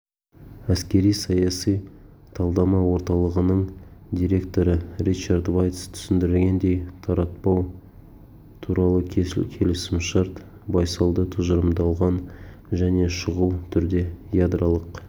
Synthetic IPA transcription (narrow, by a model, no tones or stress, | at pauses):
æskʲe̞ɾijsɑjɑsijt̪ʰɑlˠd̪ɑmɑwo̞ɾt̪ɑlˠəʁənəɴd̪ijɾe̞kt̪o̞ɾəɾit͡ʃaɾd̪vajt̪st̪ʰʏ̥sɪnd̪ɪɾɪlɡʲe̞nd̪e̞jt̪ʰɑɾɑt̪̚pɑw | t̪ʰuɾɑlˠəkʲʰkʲʰe̞lɪsɪmʃɑɾt̪ | bɑjsɑw̪ˠd̪ət̪ʰʊʒəɾəmd̪ɑlˠʁɑn | ʒæne̞ʃəʁuwt̪ʰʏɾd̪e̞jad̪ɾɑlˠəq